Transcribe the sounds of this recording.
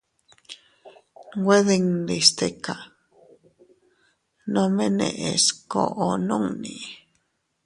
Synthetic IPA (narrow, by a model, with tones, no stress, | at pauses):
ɡʷwe˦ðe˧ŋd̪i˨st̪e˦ka˨ | nõ˧mẽ˦nḛ̃˧˨ʔe˨sko˨ʔo˨nũ˦ŋnĩ˨